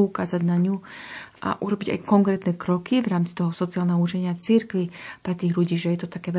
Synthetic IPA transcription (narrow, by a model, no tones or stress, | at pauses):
ukaːzaɟnaɲuʔa̰ʔuɾɔbiɟa̰jkɔŋkɾɛːt̪nɛkɾɔkivɾaːmt͡si̥t̪ɔɦɔsɔt͡siaːlnɛɦɔut͡ʃɛɲɪat͡siɾkʋipɾɛt̪iːɣʎuɟiːʒɛjɛt̪ɔt̪akɛːʋɛ